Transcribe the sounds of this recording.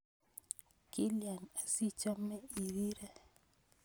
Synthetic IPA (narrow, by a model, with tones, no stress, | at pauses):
ki˦lja˨na˨si˦t͡ʃa˦mɛ˦i˨ɾi˦ɾa˦